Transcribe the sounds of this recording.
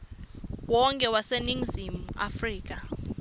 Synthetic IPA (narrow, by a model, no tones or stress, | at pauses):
wɔŋkʼɛwaseniŋizimuʔafriːk̬ʼa